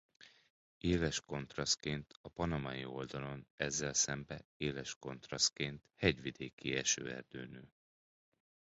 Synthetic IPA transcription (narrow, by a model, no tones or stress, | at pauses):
eːlɛʃko̞nt̪rɒst̪keːnt̪ɒpɒnɒmɒjḭo̞ld̪ɒlo̞nɛzːɛlsɛmbɛeːlɛʃko̞nt̪rɒst̪̚keːnt̪hɛɟʋid̪eːkiɛʃø̰ːɛ̰rd̪øːnøː